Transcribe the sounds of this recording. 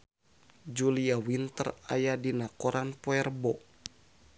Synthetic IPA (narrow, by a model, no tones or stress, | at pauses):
d͡ʒuliawint̪ə̰ra̰jadinakoɾanpoɛrbɔ